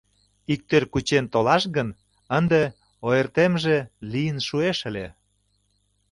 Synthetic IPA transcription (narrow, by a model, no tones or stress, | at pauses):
ik̚t̪ørkut͡ɕent̪olɑʃɣən | ənd̪e | oert̪emʒelijənʃueʃə̆lʲḛ